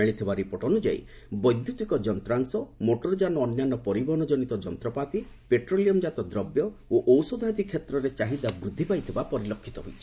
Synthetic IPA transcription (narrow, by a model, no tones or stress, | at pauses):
eɽ̃it̪ʰibaɾipɔʈɔnud͡ʒa̰ḭ | bɔjd̪jut̪ikɔd͡ʒɔnt̪ɾaŋsɔmoʈɔɾɔd͡ʒanɔːnjanɔpɔɾibɔnɔd͡ʒɔnit̪ɔd͡ʒɔnt̪ɾɔpat̪i | peʈɾoliɔmd͡ʒat̪ɔd̪ɾɔbjɔoʔɔwsod̪ʱad̪ikʰːjet̪ɾɔɾet͡ʃaɦid̪abɾud̪ʱːipajt̪ʰibapɔɾilɔkʰːit̪ɔɦojt͡ʃʰi̥